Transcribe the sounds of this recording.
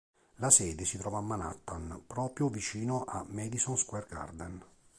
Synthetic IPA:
lasɛːd̪esit̪ɾɔːvamːana̰t̪ːanpɾɔːpɾjovit͡ʃiːnoʔamɛd̪isɔnskwɛrɡa̰rd̪ɛn

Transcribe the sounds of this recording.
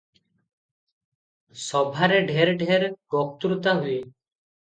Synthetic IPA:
sɔbʱaːɾeːɖʱeːɾɖʱeːɾɡɔːk̚t̪uɾt̪aːɦʊeː

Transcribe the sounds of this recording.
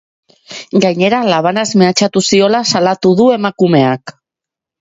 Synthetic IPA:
ɡajɲe̞ɾalaβ̞anazmeat͡ʃat̪usio̞lasalat̪uðue̞makume̞ak

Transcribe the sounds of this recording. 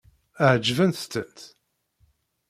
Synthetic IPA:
əʕd͡ʒvənθt͡s̪ːənt̪

